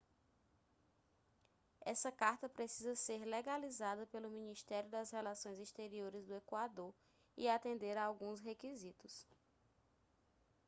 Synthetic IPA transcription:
ɛsɐkaɾt̪ɐpɾesizɐseɾleɡalizad̪ɐpelʊmĩniʃt̪ɛɾjʊd̪ɐshɛlasõj̃ziʃt̪eɾioɾɪzd̪ʊekwad̪oɾ | ḭat̪ẽnd̪eɾaawɡũsɦekizit̪ʊs

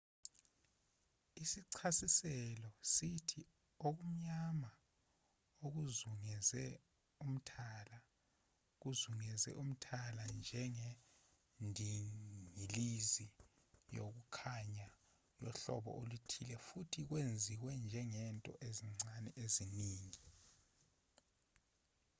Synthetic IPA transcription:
isiǀʰasisɛlɔsitʰi | ok̬um̩ɲama | ok̬uzuŋɛzɛ | um̩tʰala | k̬uzuŋɛzɛ̰ʔum̩tʰaland͡ʒʱɛŋe | ndʱiŋilizi | jo̰k̬ukʰaɲa | jɔɬɔ̰ɓɔ̰ʔolutʰilɛfutʰik̬wend͡zʱiwɛnd͡ʒʱɛŋɛntʼɔ̰ʔeziŋ͡ǀanɛʔeziniːŋi

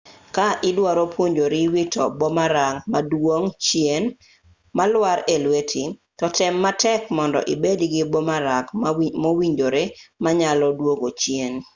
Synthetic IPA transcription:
kaʔɪdwaɾopwoɲd͡ʒoɾiwitɔ̰bɔmaɾaŋmadwoŋt͡ʃjen | malwaɾelwetʰitɔtɛmːatɛkmɔndɔ̰ʔibediɡɪbɔmaɾakmowiɲd͡ʒoɾemaɲalɔdwoɡot͡ʃjen

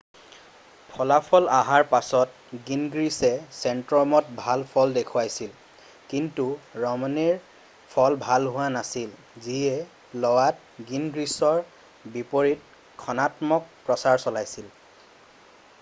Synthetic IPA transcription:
pʰɔlapʰɔlaɦaɹpasɔt̚ | ɡinɡɹisɛsɛntɹɔmɔt̚bʱalpʰɔldekʰuwajsil | kintuɹɔmɔniɹ | pʰɔlbʱalɦʊwanasil | ziɛ | lɔwat | ɡinɡɹisɔɹ | bipoɹit̚ | kʰɔnatmɔk̚pɹɔsaɹsɔlajsil

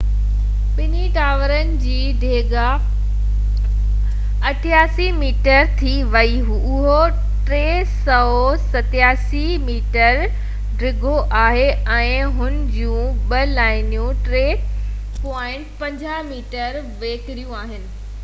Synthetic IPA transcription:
ɓɪniʈaːʋəɾənɪ̆d͡ʑiːɖʱeːɡa | ɐʈʰjaːsimiːʈəɾt̪ʰi | ʋɐiɦuʊɦo | ʈɾeː | sɐɦosɐt̪jaːsi | miːʈəɾ | ɖɪɡʱoʔaːɦeɛ̃ːɦʊnɪ̆d͡ʑũːɓɐlaːɪnijũʈɾeː | pɔːɪ̃ɳʈpɐ̃ɲd͡ʑaːmiːʈəɾ | ʋeːkɪɾijũaːɦɪnɪ̆

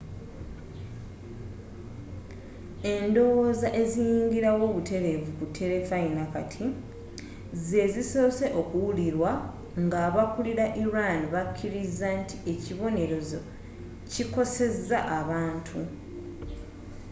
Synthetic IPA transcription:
e̞ndo̞woːzaʔe̞zijiːŋɡiɾawo̞ːβutʰe̞ɾe̞vukutʰːe̞ɾe̞fainakatʰi | ze̞ziso̞ːse̞ʔo̞kuwuliɾwa | ŋɡaːβakuliɾaʔiɾaniβakʰːiɾizːantʰi̥e̞ciβo̞ne̞ɾo̞zo̞ | ciko̞se̞zːaʔaβaːntʰu

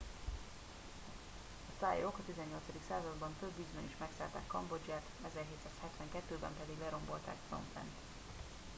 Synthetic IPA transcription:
ɒsajokɒt̪izɛɲːo̞lt̪sɒd̪iksaːzɒd̪bɒɱføbːiːzmɛniʃmɛksa̰ːlt̪a̰ːkːɒmbo̞d͡ʒjaːt̪ɛzɛrɦeːt̪saːshɛt̪ʋɛŋkɛt̪ːøːbɛmpɛd̪iɡlɛɾo̞mbo̞lt̪a̰ːkfro̰mplɛ̰nt̪

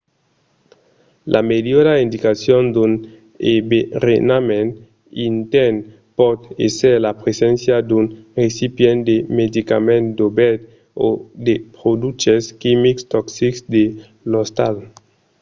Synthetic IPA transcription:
lʔa̰medjodaind̪ikasjond̪un | eberenamẽn | int̪en | pɔt̪ḛseɾlapɾesẽnsjad̪unresipjend̪emed̪ikamẽnd̪obɛt̪ | o̰d̪epɾod̪ut͡ʃeskimikst̪ɔksiksd̪e | lost̪al

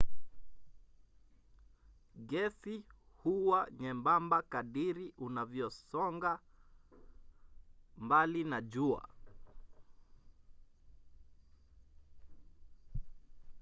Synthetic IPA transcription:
ɡɛsi | huwaɲɛmbambakaɗiɾiʔunavjɔsɔŋɡa | mbalinaʄua̰

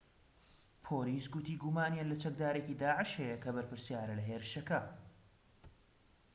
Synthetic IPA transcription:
pʰoːliːsɡut̪iːɡumaːnjaːnlɐt͡ʃɐk̚d̪aːɾeciːd̪aːʕɨʃhejɐkɐbɐɾpɨɾsjaːɾɐlɐɦeːɾɨʃɐkɐ

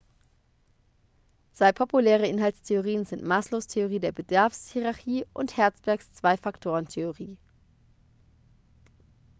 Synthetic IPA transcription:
z̥aɪpʰopʰulɛːʁ̞əʔɪnhaltstʰeoʁ̞iːənzɪntmaːsloːstʰeoʁ̞iːdeːɐbədaɐfshiʁaçiːʔʊnthɛɐt͡sb̥ɛɐkst͡sv̥aɪfaktʰoːʁəntʰeoʁiː

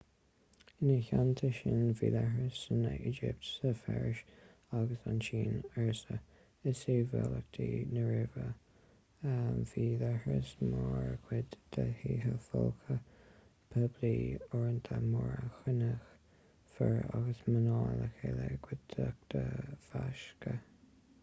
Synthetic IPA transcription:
ɪnəçant̪ʰəʃɪnviːlɛhɹəsənəʔid͡ʒɪp̚tsəfɛɹɪʃ | aɡəsant͡ʃiːnɛɹsə | ɪsevɛlək̚t̪ʰinəɹɪvə | viːlɛhɹəsmɔɹɡʰwɪdd̪̥ʰəhiːɦəfɔlkʰə | pʰəbliɔɹənt̪ʰəmɔɹəxɪnəx | fəɹaɡəsmənɑːləkeləɡ̥wɪddʰək̚d̪̥ʰəfaʃkə

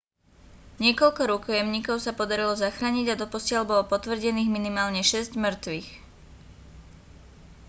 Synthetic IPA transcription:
ɲɪɛkɔʎkɔɾukɔjɛmɲiːkɔʊsapɔd̪aɾilɔzaxɾaːɲiɟad̪ɔpɔsɪalbɔlɔpɔt̪ʋr̩ɟɛniːɣminimaːlɲɛʃɛzɟmr̩t̪ʋix

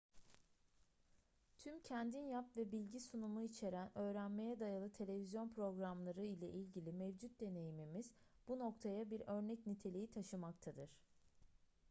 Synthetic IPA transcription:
t̪ʰymcʰænd̪injapvɛbilʲɟisunumuit͡ʃʰe̞ɾænø̞ːɾænme̞jɛd̪ajalˠɯt̪ʰe̞lʲe̞vizjo̞npʰɾo̞ɡɾamlˠaɾɯilʲɛʔilʲɟilʲimevd͡ʒut̪̚d̪e̞ne̞jimimiz̥ | b̥uno̞kt̪ʰajabiɾø̞ɾnɛcnit̪ʰe̞lʲejit̪ʰaʃɯmak̚t̪ʰad̪ɯɾ̥

